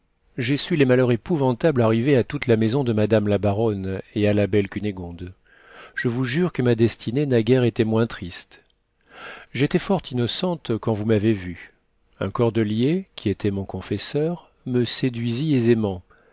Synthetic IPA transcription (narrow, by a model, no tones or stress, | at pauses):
ʒesylemalœʁepuvɑ̃t̪ablaʁiveat̪ut̪lamezɔ̃d̪əmad̪amlabaʁɔnealabɛlkʲyneɡɔ̃d̪ | ʒ̥əvuʒyʁkəmad̪ɛst̪ʰinenaɡʲɛʁet̪emwɛ̃t̪χist̪ | ʒet̪ɛfɔʁt̪ʰinɔsɑ̃t̪kɑ̃vumavevy | ɛ̰̃kɔʁd̪əljekʲʰiet̪ʰɛmɔ̃kɔ̃fɛsœʁ | məsed̪ɥiziezemɑ̃